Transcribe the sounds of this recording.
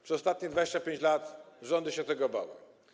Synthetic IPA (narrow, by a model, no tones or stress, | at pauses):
pʂɛɔst̪at̪̚ɲɛd̪vad͡ʑeɕt͡ɕapʲeɲt͡ɕlat̪ʐɔnd̪ɘɕɛt̪ɛɡɔːba̰wɘ̰